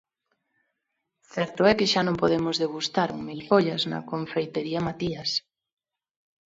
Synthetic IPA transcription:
θɛɾt̪ʊɛkeʃanõmpoð̞emʊzðeɣ̞ust̪aɾuŋmilfoʎɐznɐ̰koɱfejt̪eɾiɐmat̪ias

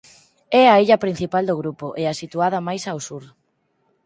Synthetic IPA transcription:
ɛaiʎɐpɾin̟θipald̪oɣ̞ɾupoʔɛasit̪uað̞ɐmajsawsuɾ

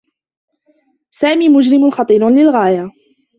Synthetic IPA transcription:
saːmiːmʊd͡ʒɾɪmʊnxɑt̪ˤiːɾlɪlɣaːja

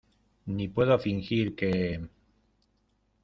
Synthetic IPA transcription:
nipwe̞ðofiŋxiɾke

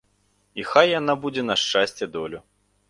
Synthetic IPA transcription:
ixajːanabud͡zʲɛnɐʂt͡ʂasʲt͡sʲɛd̪ɔlʲu

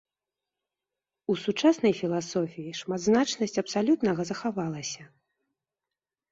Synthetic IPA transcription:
usut͡ʂasn̪ɐjfʲilˠasɔfʲijiʂmad̪znat͡ʂnɐsʲt͡sʲɐpsalʲut̪nɐɣɐzɐxavalˠɐsʲɐ

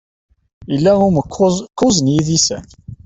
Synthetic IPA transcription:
jəlːæʊɾməkkːʊzənjiðisæ̰n

